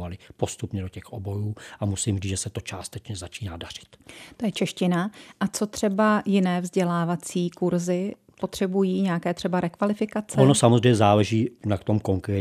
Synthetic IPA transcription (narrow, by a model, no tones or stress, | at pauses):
valɪpo̞st̪upɲɛdo̞cɛxʔobo̞juːʔamusiːmriːd͡zʒɛsɛt̪o̞t͡ʃaːst̪ɛt͡ʃɲɛzat͡ʃiːnaːdar̝̥ɪ̥t̪t̪o̞jɛt͡ʃɛʃcɪnaʔat͡so̞t̪r̝̥ɛbajɪnɛːvzɟɛlaːvat͡siːkuɾzɪ | po̞t̪r̝̥ɛbujiːɲɛakɛːt̪r̥ɛbaɾɛkvalɪfɪkat͡sʔɛonosamozrɛjmɲɛzaːlɛʒiːnakt̪o̞mko̞ŋkɾɛː